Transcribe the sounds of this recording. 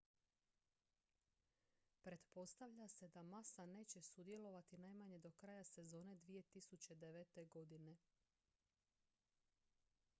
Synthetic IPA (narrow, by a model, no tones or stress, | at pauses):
pɾe̞d̪po̞st̪aʋʎase̞d̪amasane̞ːt͡ɕe̞sud̪je̞lo̞ʋat̪inajmaɲe̞d̪o̞kɾajase̞zo̞ːne̞d̪ʋije̞t̪isut͡ɕe̞d̪e̞ʋe̞t̪e̞ɡo̞d̪ine̞